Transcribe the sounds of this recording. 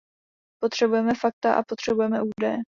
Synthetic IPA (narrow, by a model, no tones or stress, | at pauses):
po̞t̪r̝̥ɛbujɛmɛfak̚t̪aʔa̰po̞t̪r̥ɛbujɛmɛʔuːdɛjɛ